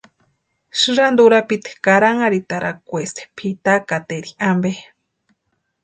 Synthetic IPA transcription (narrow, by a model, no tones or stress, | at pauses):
ʃɨɾand̪uɾapit̪i̥kaɾaŋaɾit̪aɾʔakʷest̪ʰe̥pʰit̪akat̪eɾiambe